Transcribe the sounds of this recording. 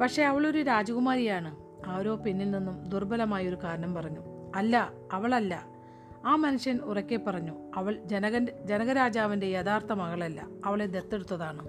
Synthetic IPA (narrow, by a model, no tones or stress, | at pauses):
pɐkʂe̞ɐʋɐɭo̞ɾuɾaːd͡ʑɐɣumaːɾijaːɳɨ | ɐʋɾo̞ːpinːilninːumd̪urbɐlɐmaːjo̞ɾukaːɾɐnɐmpɐrɐɲːuɐlːɐː | ʋɐɭɐlːɐ̰ | aːmɐnuʂjɐnurɐkʲːe̞pːɐrɐɲːuɐʋɐɭd͡ʑenɐɣɐnd͡ʑe̞nɐɣɐɾaːd͡ʑaːʋinde̞jɐd̪aːrt̪ɐmɐɣɐɭɐlːɐ̰ːʋɐɭe̞d̪et̪ːe̞ɽut̪ːɐðaːɳɨ